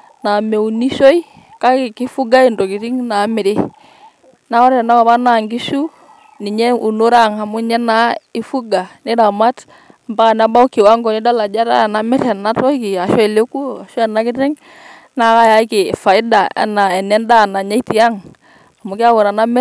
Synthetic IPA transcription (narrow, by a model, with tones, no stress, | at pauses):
na˨me˨uni˦so˦i˦ | ka˦kkɪ˦fu˦ɡa˦i˨ndɔ˨ki˨ɾi˦ŋna˨˦mɪ˨ɾɪ˦ | na˦ɔ˦ɾɛ˨na˦ba˨ba˦na˨ŋɡi˦su˦ | nɪ˨ɲɛ˦u˨no˦ɾa˦˨ŋa˨mʊ˦ɲɛ˦na˦ɪ˦fu˦ɡa˨nɪ˦da˨ma˦t | mba˦˨na˦ba˦u˦kɪ˨wa˦ŋɡɔ˨nɪ˦da˦la˨d͡ʒa˦ɾa̰˦a˨na˨mɪ˦ɾɛ˨na˦tɔ˦kɪ˨a˨ʃɔ˦ɛ˨le˦ku˦a˨ʃɔ˦ɛ˨na˦kɪ˦tɛ˦ŋ | na˦ka˦ja˨˦kɪ˨fa˨ɪ˦da˨ɛ̰˨˦na˨ɛ˨nɛ˦nda˦˨na˨ɲa˦i˦ti˨a˦ŋ | a˨mʊ˨kɪ˦a˦wɔ˨ɾa˨na˦mɪ˦